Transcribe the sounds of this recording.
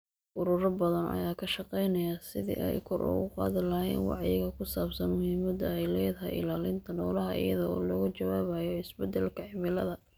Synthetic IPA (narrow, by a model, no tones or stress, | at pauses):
ʔʊɾuːɾɐbɐðɐnɐ̰jaːkʰɐʃɑqɛjnɐjaːsɪðḭːʔɛjkʰɔrʔʊ̰ɣʊqɑ̰ːðɪlɐɦɛ̰nwɑ̰ʕjɪ̰ɣɐkʰʊsaːbsɐnmʊhiːmɐd̪ɐjlɛːd̪ɦɐ̰ʔɪ̰laːlɪnt̪ʰɐnɔːlɐɦɐʔɪ̰jɐðɔɔːlɔːɣɐt͡ʃɐwaːβajɔɪsbɛd̪ɛlkʰɐʕɪmɪlɐðɐ